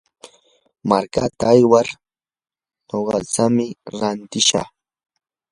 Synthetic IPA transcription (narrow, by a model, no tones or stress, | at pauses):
maɾkat̪aːjwaɾ | ɲoɢɑt͡samɪɾant̪ɪʃɑ̰χ